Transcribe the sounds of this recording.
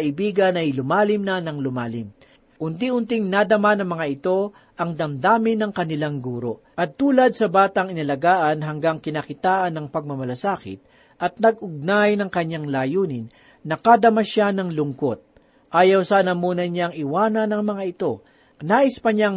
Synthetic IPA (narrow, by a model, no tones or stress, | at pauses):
ɐʔɪbiːɡɐnɐjlʊmaːlɪmnɐnɐŋlʊmaːlɪm | kʊnt̪iʔʊnt̪ɪŋnad̪ɐmanɐŋmɐŋaʔɪt̪o̞ | ʔɐŋd̪ɐmd̪aːmɪnɐŋkɐnɪlaŋɡuːɾo̞̰ | ʔɐt̪ːuːlɐd̪̚sɐbaːt̪ɐŋɪnɐlɐɡaːʔɐnɦɐŋɡaŋkɪnakɪt̪aːʔɐnːɐŋpɐɡ̚mɐmɐlɐsaːkɪ̰t̪̚ | ʔɐt̪̚nɐɡʔʊɡ̚najnɐŋkɐɲaŋlaːjuːnɪnː | ɐkad̪ɐmɐʃanɐŋlʊŋkot̪̚ | ʔaːjɐwsaːnɐmuːnɐɲaŋɪwaːnɐnɐŋmɐŋaʔɪt̪o̞ | naːʔɪspɐɲaŋ